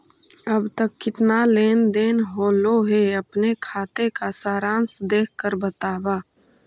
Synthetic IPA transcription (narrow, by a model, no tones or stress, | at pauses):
əbt̪əkːɪt̪naleːnd̪eːnɦoːloɦeɐpnekʰaːt̪ekasaːɾãːnsd̪eːkʰkəɾbət̪aːbaː